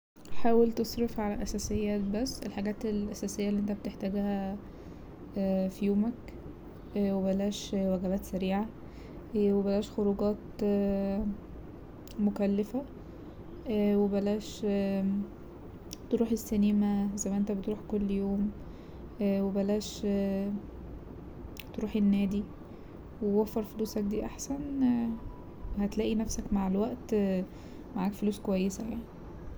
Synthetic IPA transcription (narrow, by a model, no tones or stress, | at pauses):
ħaːwelt̪esˤɾefʕalæʔæsæːsejːæːt̪̚bæsːelħaɡæːt̪elʔæsæːsejːælːiʔent̪æbet̪eħt̪æɡæhæ | fijoːmæk | webælæːʃwæɡæbæːt̪sæɾiːʕa | webælæːʃxoɾuɡɑːt̪ | mokælːefæ | webælæːʃ | t̪ɾuːħesːæniːmæzæmːæʔent̪æbet̪ɾuːħkolːjoːmː | webælæːʃ | t̪ɾuːħenːæːd̪i | wewæfːɑɾˤfoluːsæk̚d̪iːʔaħsæn | hæt̪læːʔinæfsækmaʕelwæʔt̪ | maʕaːkfoluːskowæjːesæjaʕni